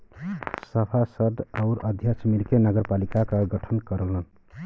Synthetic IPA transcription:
səpʰasəd̪aʊɾəd̪ʱjat͡ʃmiɾkenəɡəɾpalikakəɡəʈʰənkəɾələn

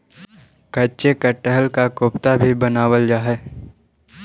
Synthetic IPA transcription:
kɐt͡ʃekɐʈəɦəlkakoːpt̪abʱibənaːwəld͡ʒaːɦɛː

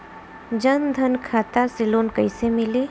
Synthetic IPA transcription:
d͡ʒənd̪ʱənkʰaːt̪asɪloːnkəɪsemɪliː

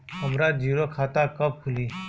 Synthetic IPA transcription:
ɦəmɾaːd͡ʒiːɾoːkʰaːt̪aːkəp̚kʰʊliː

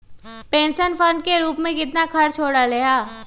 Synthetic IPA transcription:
pẽːnʃənfə̃ɳɖ̚keɾuːpmẽkɪt̪nakʰɐɾt͡ʃʰoːɽalejaː

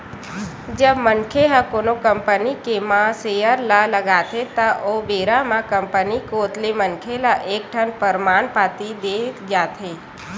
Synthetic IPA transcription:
d͡ʒəbmənkʰeɦakonokəmpənikemãsejəɾlaləɡat̪ʰet̪aʔoʋeɾamãkəmpənikot̪lemənkʰelaʔek̚ʈʰənpəɾmaːɳpat̪id̪et̪d͡ʒaːt̪ʰe

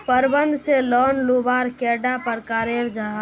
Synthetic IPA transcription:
pəɾbənd̪ʱselɔnlobaɾkɛɖapəɾkaɾeɾd͡ʒaɦ

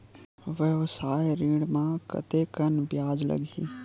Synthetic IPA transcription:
ʋjəʋsaːjɾiːɽmãkə̰t̪ekənbjaːd͡ʒlə̰ɡʱḭː

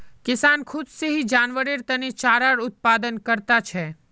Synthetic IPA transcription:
kɪsaːnkʰʊd̪seɦid͡ʒaːnʋəɾeɾt̪ənet͡ʃaːɾaɾʊt̪̚paːd̪ənkəɾt̪at͡ʃʰɛ

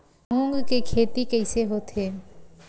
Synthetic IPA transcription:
uŋɡkekʰet̪ikejseɦot̪ʰe

